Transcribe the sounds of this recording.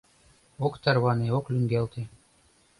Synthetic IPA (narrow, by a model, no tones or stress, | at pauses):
okt̪ɑrβɑneoklʲyŋɡelt̪e